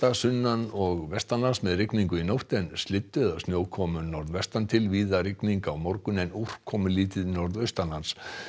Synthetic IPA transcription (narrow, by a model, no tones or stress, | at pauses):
t̪asʏnːanɔɣvɛst̪anlansmɛðrɪkniŋkʏinowht̪ɛnst̪lɪt̪ːʏðawsnjoːwkʰɔːmʏnɔɾðvɛst̪ant̪ʰɪlviːðaɾɪkniŋkawmɔɾkʏnɛnur̥kʰːɔːmʏliːt̪ɪðnɔɾðœɥst̪anlans